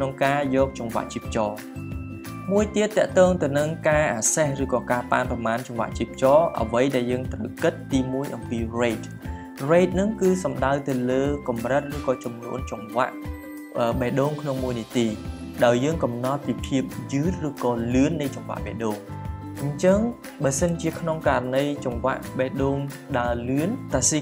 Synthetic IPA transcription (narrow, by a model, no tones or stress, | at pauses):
kkʰnoŋkaːjɔːk̚t͡ɕɑŋʋa̰ʔt͡ɕiːəp̚t͡ɕɑː | muəjt̪iət̪ːɛ̆əʔt̪ɔːŋt̪ɨwnɨŋkaːʔaːsehrɨːkɑːkaːpa̰ːnprɑmaːnt͡ɕɑŋʋa̰ʔt͡ɕiːp̚t͡ɕɑːʔə̰ʋəjɗaɛljəːŋt̪rə̰kɨt̪ːiːmuəjʔɑmpiːreːt̪̚ | reːt̪̚nɨŋkɨːsɑmɗaəwt̪ɨwləːkɑmrət̪̚rɨːkɑːt͡ɕɑmnṵənt͡ɕɑmʋa̰ʔ | ʔəːɓeːʔɗoːŋkʰnoŋmuəjniət̪iː | ɗaɔjːəːŋkɑmnɑt̪̚piːpʰiəp̚jɨːt̪̚rɨːkɑːlɨənːɨjt͡ɕɑmʋa̰ʔɓɛ̰ːɗoːŋ | ɲt͡ɕəŋ | ɓaəsənt͡ɕiəkʰnoŋkaːɾanɨjt͡ɕɑŋʋa̰ʔɓɛːʔɗoːŋɗaəlɨənt̪asiː